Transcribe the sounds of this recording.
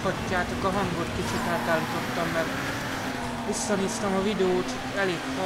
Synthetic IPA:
ɒcːaːt̪okɒɦɒŋɡot̪kit͡ʃit̪aːt̪aːlːit̪o̞t̪ːɒmːɛɡon | ʋisːɒniːst̪ɒmɒvid̪ɛoːt̪ | ɛleːkfɒ

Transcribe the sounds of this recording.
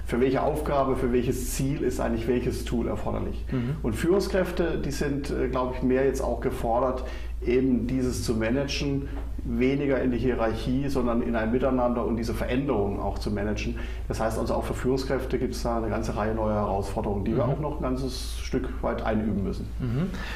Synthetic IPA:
fyːɐvɛlçəʔa̰ʊfɡ̥aːbəfyːɐvɛlçəst͡siːlɪstʔaɪŋ̩lɪçv̥ɛlçəstʰuːlʔɛ̰ɐfɔɐdɐ̰lɪ̰çʔʊntfyːʁʊŋskʁ̥ɛftədiːzɪntʔɛːɡlaʊbəɪçmeːɐjɛt͡sta̰ʊxɡ̥əfɔɐɾɐt | ʔeːbm̩d̥iːzəst͡sumɛnɛd͡ʒn̩ | veːnɪɡɐɪndiːɦiʁaɐçiːzɔndɐnɪ̰nʔaɪnəmɪtaɪnandɐʊntd̥iːzəfɛɐʔɛndəʁʊŋəna̰ʊxt͡sumɛnɛd͡ʒn̩ | d̥ashaɪstʔalzoaʊfyːɐfyːʁʊŋskʁ̥ɛftəɡiːp̚tsd̥aːnəɡant͡səʁaɪənɔʏɐhɛʁaʊsfɔɐdəʁʊŋəndiːviːɐʔa̰ʊxnɔχn̩ɡant͡səs | ʃtʏkv̥a̰ɪtʔa̰ɪnʔy̰ːbm̩mʏsn̩

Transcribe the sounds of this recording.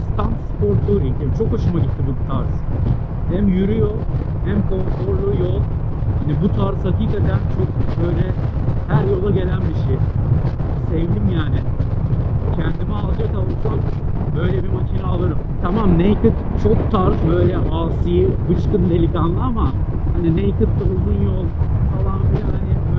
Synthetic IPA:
st̪ʰanspʰoɾt̪ʰˠuɾiemt͡ʃʰo̞koʃumaɟit̪ʰːibut̪ʰaɾz̥ | hæmjyɾyjol | hæmkʰo̞nt̪oɾlˠujol | hanibut̪ʰaɾshaciːkad̪ænt͡ʃʰo̞k̚bøjlʲɛhæɾjo̞lˠaɟe̞lʲænbiʃe | sevd̪imjaːnɪ | cʰɛnd̪imialˠd͡ʒakk̪aulˠsambø̞jlʲebimaʃʰinaːlˠɯɾɯmt̪ʰamamnejkɯt̪t͡ʃʰok̚t̪ʰaɾkbø̞jlʲɛʔaːsɯjibɯt͡ʃk̪ɯnd̪e̞lʲikanlˠɯamahaninejkɯt̪lauzunjolˠfalˠanbilʲæhanɪ

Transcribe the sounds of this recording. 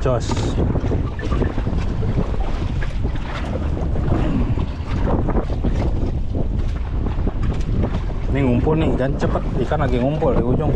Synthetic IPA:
d͡ʒɔs | miŋumpulniʔdant͡ʃəpət̪̚dikanaɡɛŋumpʊldikud͡ʒʊŋ

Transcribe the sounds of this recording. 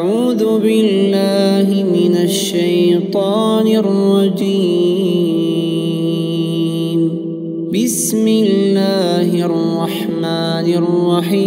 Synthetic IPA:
ʔaʕuːðʊbɪlːaaːɦɪmɪnaʃːajt̪ˤɑːnɪrːɑd̪iː | n | bɪsmɪlːaːhɪrˤːɑħmaːnɑrˤːɑħiː

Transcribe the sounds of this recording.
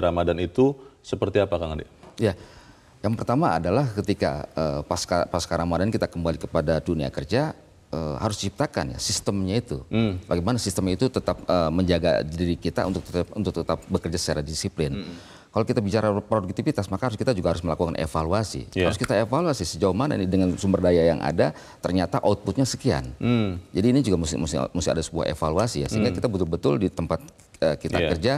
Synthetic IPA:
ɾamadanit̪usəpərt̪iapakaŋadeja | jaŋpərt̪ama̰ːdalahkət̪ika̰əːpaskapaskaɾamadankit̪akəmbalikəpadadunia̰kərd͡ʒa | əhaɾʊst͡ʃip̚t̪aka̰nja̰sist̪əmɲait̪ṵbaɡimanasist̪əmɲait̪ut̪ət̪ap̚əməɲd͡ʒaɡa̰diɾikit̪a̰ṵnt̪ʊk̚t̪ət̪ṵnt̪ʊk̚t̪ət̪ap̚bəkərd͡ʒasə̥t͡ʃaɾadisiplɪn | kalowkit̪abit͡ʃaɾapɾoduk̚t̪ifit̪asmakahaɾʊskit̪ad͡ʒuɡahaɾʊsməlakukanʔḛfaluasḭhaɾʊskit̪aefaluasisəd͡ʒauhmana̰ḭnidəŋansumbərdajajaŋʔa̰da | t̪ərɲat̪aʔot̪̚but̪̚ɲasə̥kia̰nd͡ʒadiːnid͡ʒuɡamusmusmusia̰dasəbua̰hḛfaluasija̰səɦiŋɡakit̪abət̪ʊlbət̪ʊldit̪əmpat̪̚ | əkit̪a̰kərd͡ʒa

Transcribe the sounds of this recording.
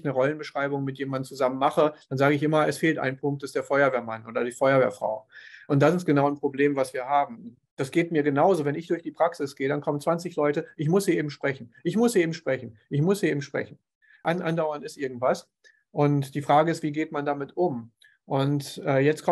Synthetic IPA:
çnəʁɔlənbəʃʁ̥aɪbʊŋmɪtjeːmandn̩t͡suzamənmaχəd̥anzaːɡəɪçʔɪmɐɛsfeːltʔa̰ɪnpʰʊŋkt̚d̥asd̥eːɐfɔʏɐveːɐmanʔoːdɐdiːfɔʏɐvḛːɐfʁ̥a̰ʊʔʊnt̚d̥asɪstɡ̥ənaʊnpʁ̥obleːmvasv̥iːɐhaːbm̩ | d̥asɡ̥eːtmiːɐɡənaʊzovɛnɪçd̥ʊɐçd̥iːpʁ̥aksɪsɡ̥eːədankʰɔmənt͡sv̥ant͡sɪçlɔʏtəʔɪçmʊsiʔeːbm̩ʃpʁ̥ɛçn̩ʔɪçmʊseːbm̩ʃpʁ̥ɛçn̩ʔɪçmʊsiʔeːbm̩ʃpʁ̥ɛ̰çn̩ | ʔanʔandaʊɐntɪstʔɪɐɡŋ̩tv̥as | ʔʊntd̥iːfʁ̥aːɡəɪstv̥iːɡeːtmandamɪtʊm | ʔʊntʔɛːjɛt͡stkʰɔ

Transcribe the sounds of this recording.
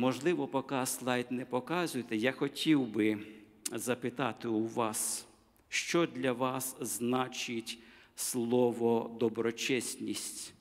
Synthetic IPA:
mɔʒlˠɪʋɔpɔkɑslˠɑjt̪nɛpɔkɑzʊjet̪ɛjaxɔtʲiwbɪ | zɐpɪt̪ɑt̪ɪuʋɑs | ʃt͡ʃɔd̪ʲlʲɐʋɑsznɑt͡ʃɪtʲslˠɔʋɔd̪ɔbɾɔt͡ʃɛsʲnʲisʲtʲ

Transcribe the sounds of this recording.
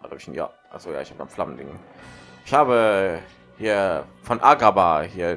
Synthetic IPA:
ada̰bɪçnja̰ːʔaχz̥oːja̰ːɪçhaːbə̥danflamn̩dɪŋʔɪçhaːbə | hiːɐfɔnʔaɡabahiːɐ

